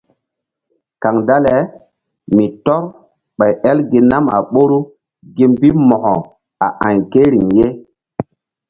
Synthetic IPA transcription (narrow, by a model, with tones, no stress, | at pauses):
ka˨ŋda˦le˨ | mi˨tɔ˦ɾ | ɓa˨jʔɛ˦lɡi˨˦na˦ma̰˨ɓo˦ɾu˦ | ɡi˦mbi˦mɔ˨hɔ˨ | a˨ʔã˨jke˦ɾi˨ŋje˦